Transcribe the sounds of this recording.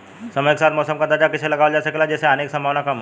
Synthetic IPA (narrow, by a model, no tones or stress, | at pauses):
sɐməjke̥saːt̪ʰmɔːsəmkɐɾt̪ad͡ʒakɪt͡ʃʰselɐɡaːʋəld͡ʒaːsekelad͡ʒɛːseaːneksɐ̃mbʱaːʋnakɐm